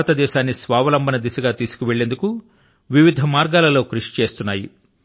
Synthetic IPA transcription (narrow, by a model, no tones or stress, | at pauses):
ɐt̪ɐd̪ɛːʃaːnːisʋaːʋɐlɐmbʱɐnɐd̪isɐɡaːt̪iːsu̥kuʋeɭːe̞nd̪uku | ʋiʋid̪ʱɐmaːɾɡaːlɐlo̞ːkɾuʂi̥t͡ʃe̞ːst̪unːaːjḭ